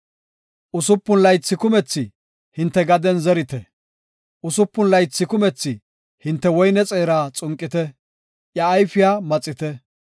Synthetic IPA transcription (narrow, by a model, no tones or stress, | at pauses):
ʔʊsʊpːʊnlɐjt͡sːɪkʊmɛt͡sːɪ | hɪnt̪ːɛɡɐd̪ɛnzɛɾɪt̪ɛ | ʔʊsʊpːʊnlɐjt͡sːɪkʊmɛt͡sːɪ | hɪnt̪ːɛwɔjnɛt͡sʼeːɾaːt͡sʼʊŋkʼːɪt̪ɛ | ʔjɐːjfɪjaːmɐt͡sʼːɪt̪ɛ